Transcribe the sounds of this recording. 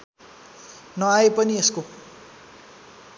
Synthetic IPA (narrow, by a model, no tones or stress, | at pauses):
nʌaepʌniesko